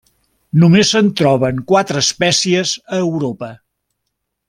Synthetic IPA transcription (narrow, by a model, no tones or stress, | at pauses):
numezənt̪ɾɔβəŋkwat̪ɾəːspɛsiəzəːwɾopə